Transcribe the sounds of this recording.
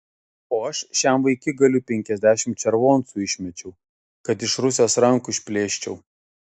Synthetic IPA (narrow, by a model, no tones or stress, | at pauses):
oːɐʃʃʲæmʋɐɪkʲɪɡɐlʲʊpʲɛŋʲkʲɛzʲd̪ʲæːʃʲɪmt̪t͡ʃʲɛɾʋoːnsuɪʃʲmʲɛt͡ʃʲɛʊ | kɐt̪ɪʃɾʊsʲeːsɾɐŋkʊɪʃʲpʲlʲeːʃʲt͡ʃʲɛʊ